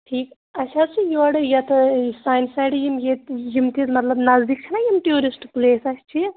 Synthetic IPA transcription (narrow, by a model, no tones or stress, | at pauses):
ʈʰiːk | ɐt͡ʃʰat͡ʃʰijoɐɽɨjɐt̪ɐsaːjnsajʈjimjet̪jimt̪ʰizmɐt̪lɐbnɐzd̪ik̚t͡ʃʰinajimʈjoːɾisʈpleːsɐsʰʲt͡ʃʰi